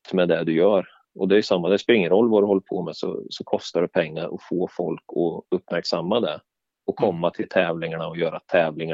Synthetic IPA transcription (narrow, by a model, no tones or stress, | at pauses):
mɛd̪ɛd̪ɵjœːɾ | ɔd̪ɛjɵsamːad̪ɛspɛɾɪŋːənɾɔlːvad̪ɵhɔlːɾpʰoːmɛsɔ̰sɔkʰɔst̪aɖ̪ɛpʰɛŋːaɾʔɔ̰foːfɔlkʰɔɵpːmæɾksamːad̪ɛ | ɔkʰɔmːat̪ʰɪlt̪ʰɛːvlɪŋaɳaɔjœːɾat̪ʰɛːvlɪŋa